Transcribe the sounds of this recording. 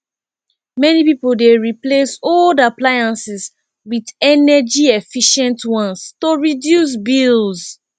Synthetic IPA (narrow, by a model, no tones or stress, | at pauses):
mɛnipipoldeɹiplesoldaplajãnsis | widɛnɛd͡ʒiefiʃɛ̃ntwɔ̃nstoɹidjus̬bilz